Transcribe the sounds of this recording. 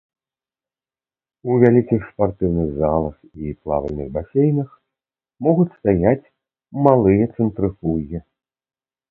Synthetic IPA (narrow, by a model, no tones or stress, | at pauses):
uvʲalʲikʲixspart̪ɨwnɨɣzalˠɐxiplˠa̰vɐlʲnɨɣbasʲejnɨx | mɔɣut͡sʲst̪ajat͡sʲ | malˠɨjɐt̪sɨnt̪ɾɨfujʲɛ